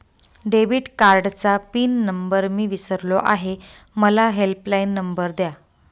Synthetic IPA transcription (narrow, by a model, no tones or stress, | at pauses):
ɖeʋiʈkaɾɖt͡sapiːnːəmbəɾmiːʋisəɾloʔa̰ɦe | məlaɦelplainːəmbəɾd̪ja